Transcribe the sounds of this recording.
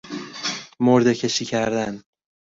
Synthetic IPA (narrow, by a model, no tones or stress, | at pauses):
moɾd̪ecʰe̞ʃiːcʰæɾd̪æn